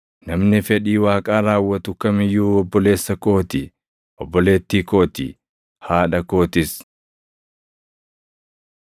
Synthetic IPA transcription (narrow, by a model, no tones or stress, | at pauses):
nɐmnɪfɛᶑiːwaːkʼaːɾaːwːɐt̪ʊkɐmɪjuːɔbːɔle̞ːsːɐkʼo̞ːt̪ɪ | ʔɔbːɔle̞ːt̪ːiːkʼo̞ːt̪ɪ̰ | haːᶑɐko̞ːt̪ɪs